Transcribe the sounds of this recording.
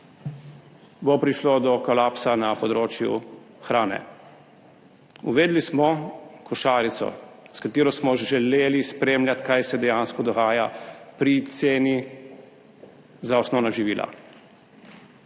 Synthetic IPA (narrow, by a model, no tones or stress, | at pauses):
bopɾiʃlod̪ɔkɔlaːpsanapɔd̪ɾoːt͡ʃjṵ | xɾaːnɛ̰ | uʋeːd̪lismɔkɔʃaːɾit̪sɔ̰ | skat̪iːɾɔsmɔʒɛleːlispɾeːmlʲjat̪kajsɛd̪ɛjaːnskɔd̪ɔɣaːjapɾit̪seːni | zaɔsnɔwnaʒiʋiːlʔa̰